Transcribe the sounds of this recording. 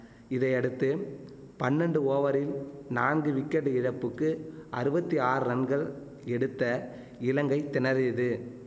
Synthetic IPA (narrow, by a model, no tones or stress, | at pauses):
ɪðɐɪɐɽɯt̪ːɯ | pɐnːɛɳɖɯoːʋɐɾɪlnaːnɡɯʋɪkːɐɽɯɪɻɐpːɯkːɯʔɐɾɯbɐt̪ːiaːɾɯɾɐnɡɐɭ | ɛɽɯt̪ːɐ | ɪlɐŋɡɐɪt̪ːɪnɐɾɪðɯ